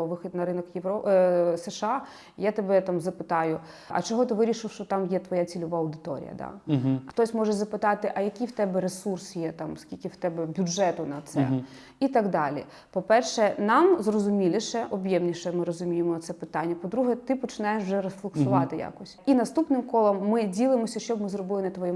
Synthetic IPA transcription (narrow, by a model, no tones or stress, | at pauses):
ɔʋɪxʲid̪nɐɾɪnɔkjeʋɔsɛʃɑ | jat̪ɐbɛt̪amzɐpɪt̪ɑjʊ | ʔɐ̰t͡ʃɔɦɔt̪ɪʋɪɾʲiʃɪfʃt͡ʃɔt̪ɑmjɛt̪ʋɔjat͡sʲilʲʊʋaɐwd̪ɪt̪ɔ̰ɾʲḭjɐ̰d̪a̰xt̪ɔsʲmɔʒɛzɐpɪt̪ɑt̪ɪʔɐjɐkʲiwt̪ɛbɛɾesursjɛt̪ɑmskʲilʲkɪwt̪ɛbɛbʲʊdʒɛt̪ʊnɐt̪sɛ̰ | it̪ɑɡd̪ɑlʲḭ | pɔpɛrʃɛnɑmzrɔzʊmʲilʲˠiʃɛʔɔbjɛmnʲiʃɛmɪɾɔzʊmʲijemɔɐt̪sɛpɪt̪ɑnʲːɐpɔd̪ɾuɦɛt̪ɪpɔt͡ʃɪnɑjeʃwʐɛɾɔsflˠɔksʊʋɑt̪ɪja̰kɔsʲinɐst̪upnɪmkɔlˠɔmːɪdʲilˠɪmɔsʲɐʃt͡ʃɔbmɪzrɔbɪlˠɪnɐt̪ʋɔjɛ